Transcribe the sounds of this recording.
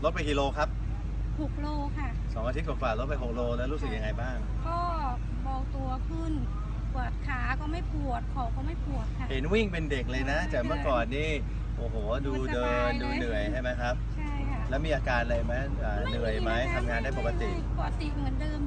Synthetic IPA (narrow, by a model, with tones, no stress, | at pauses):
lo˦˥t̪̚pa˧jki˧loː˧kʰa˦˥p̚ | pʰu˨˩k̚loː˧kʰa˥˩ | sɔ˩˦ŋa˧i˦˥t̪ʰo˨˩kfaː˨˩lo˦t̪̚pa˧jpo˨˩k̚loː˧lɛː˦˥wɾu˦˥sɯ˨˩k̚ja˧ŋːa˧jbaː˥˩ŋ | kɔː˥˩ | bɔː˨˩kt̪u˧ɐkʰɯ˥˩n | pu˨˩ət̪̚kʰaː˩˦kɔː˥˩ma˥˩jpʰu˨˩ət̪̚kʰɔ˨˩wkɔː˥˩ma˥˩jpʰu˨˩ət̪̚kʰa˦˥˩he˩˦nwi˥˩ŋpe˧nde˨˩k̚lɤː˧jna˦˥t̪ɛː˨˩mɯ˥˩əkɔː˨˩nːiː˥˩ | ʔoː˨˩ɦoː˩˦duː˧dɤː˧nduː˧nɯ˨˩əjɦa˥˩jma˦˥jkʰa˦˥p̚t͡ɕʰa˥˩jkʰa˥˩lɛː˦˥wmiː˧ʔaː˧kaː˧nla˧˩ma˦˥ʔaː˨˩nɯ˨˩əjma˦˥jt̪ʰa˧mŋaː˧ndaː˥˩jpo˨˩ka˧t̪i˨˩ʔ | ɔ˨˩˥t̪i˨˩mɯ˩˦ndɤː˧m